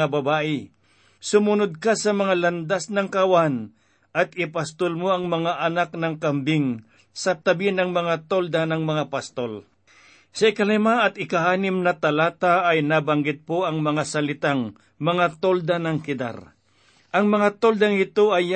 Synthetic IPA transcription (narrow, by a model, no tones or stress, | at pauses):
abɐbaːʔɪ | sʊmʊnod̪̚kasɐmɐŋalɐnd̪asnɐŋkɐwan | ʔɐt̪̚ɪpast̪olmoʔɐŋmɐŋaʔɐnak̚nɐŋkɐmbɪŋ | sɐt̪ɐbɪnɐŋmɐŋat̪old̪anɐŋmɐŋapast̪ol | sɐɪkɐlɛmaʔɐt̪ɪkaʔaːnɪmnɐt̪ɐlaːt̪aʔːjnabɐŋɡɪt̪̚poʔɐŋmɐŋasɐlɪt̪aŋ | mɐŋat̪old̪anɐŋkɪd̪a̰ɾ | ʔɐŋmɐŋat̪old̪aŋɪt̪oʔɐj